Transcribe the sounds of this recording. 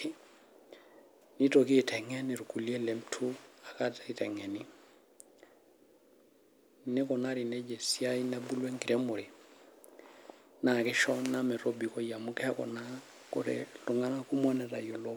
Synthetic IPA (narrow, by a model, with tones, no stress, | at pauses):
ni˦tɔ˨kiː˦˨tʰɛ˨ŋɛ˦ni˨ɾu˨ku˨li˦ɛ˦lɛ˨m̩tʰu˦a˨ka˦tai˨tɛ˨ŋɛ˨ni˦ | ne˦kɔ˨na˦ɾi˨nɛ˦d͡ʒɛ˨sja˦i˦nabu˦lwɛ˦ŋɡi˨ɾɛmu˨ɾi˨ | na˨kɛ˦ʃɔna˦mɛ˨ɾɔ˦bi˨kɔ˦ja˨mu˦kɛ˦a˦kɔ̰˨na˦ | kɔ̰˦ɾɛ̰lu˨ŋɡa˦na˦ku˦mwɔ˦nɛ˨ɾa̰˨jɔ˨lɔ˦